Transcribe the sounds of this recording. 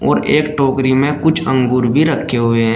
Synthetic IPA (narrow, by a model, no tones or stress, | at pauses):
ɔːɾeːkʈoːkɾimẽkʊt͡ʃʰə̃ŋɡuːɾbʱiɾəkʰːeɦʊeɦɛ̃